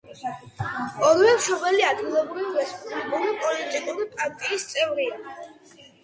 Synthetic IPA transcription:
ɔɾvɛmʃɔbɛliad̪ɡilˠɔbɾivivɛspʼlɛbuɾipʼɔlit̪ʼikʼuɾipʼaɾt̪ʼiːst̪sʼɛvɾia

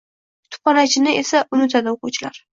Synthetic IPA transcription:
t̪ʰʊ̥pɒnat͡ʃʰɪnɪesaʔʊnɪt̪ʰad̪aoqʊwt͡ʃʰɪlaɾ

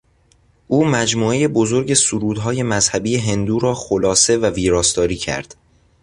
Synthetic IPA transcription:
ʔuːmæd͡ʒmuːe̞je̞bozo̞ɾɟe̞suɾuːd̪ɦɒːje̞mæzhæbiːje̞ɦe̞nd̪uːɾɒːxolɒːse̞væviːɾɒːst̪ɒːɾiːcʰæ̰ɾd̪̥

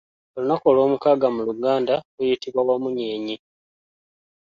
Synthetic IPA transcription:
olinako̞lo̞ːmukaːɡamuluɡaːndaɡujitiβwawamuɲeːɲi

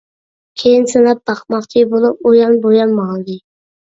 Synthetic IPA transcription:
kʲʰejinsɪnap̚b̪ɑχmɑχt͡ʃʰibolˠup̚ojɑnbojɑnmɑlˠd̪ɪ

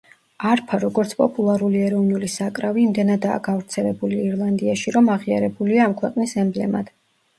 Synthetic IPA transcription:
aɾpʰaɾɔɡɔɾt̪sʰpʼɔpʼulˠaɾuliɛɾɔvnulisakʼɾaviːmd̪ɛnad̪a̰ːɡavɾt̪sʰɛlɛbuliːɾlˠand̪iaʃiɾɔmaʁia̰ɾɛbuliaːmkʰwɛqʼnisɛmblɛma̰d̪̥

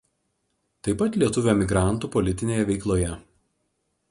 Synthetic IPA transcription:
t̪ɐɪpɐt̪lʲiɛt̪ʊʋʲoːmʲɪɡɾɑˑnˑt̪uːpɔlʲɪt̪ʲɪnʲeːjɛʋʲɛɪklˠoːjɛ

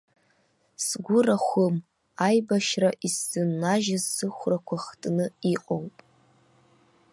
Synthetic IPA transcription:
sɡʷʊraχʷʊm | ajbaʃraʔisːɨnːaʒazːɨχʷrakʷʰaχtʼnɨiqʼowpʼ

